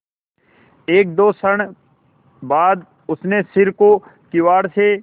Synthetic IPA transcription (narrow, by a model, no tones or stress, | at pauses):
eːk̚d̪oːsəɽ̃ | baːd̪ | ʊsnesɪɾkokɪwaːɽse